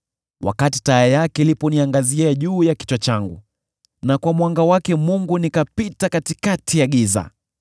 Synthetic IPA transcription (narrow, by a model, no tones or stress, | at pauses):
wʔa̰katitaɛjakɛlipɔniaŋɡaziaʄuːjaki̥t͡ʃwat͡ʃaŋɡṵ | nakwamwaŋɡawakɛmuŋɡunikapitakatikatʰijaɠiza̰